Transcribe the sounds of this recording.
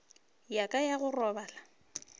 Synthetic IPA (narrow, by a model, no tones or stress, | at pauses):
jakʼajaɣʊrɔbaːla